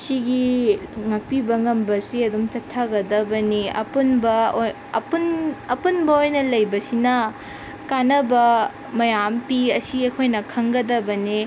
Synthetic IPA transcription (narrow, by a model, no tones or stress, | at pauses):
siɡiŋɐk̚pibɐŋɐmbɐsiɐdumt͡ʃɐtʰːɐɡɐd̪ɐbɐniɐ̰punbɐoj | punɐpunbɐojnɐlɐjbɐsinɐ | kanɐbɐ | mɐjampiɐsiɐkʰojnɐkʰɐŋɡɐdɐbɐni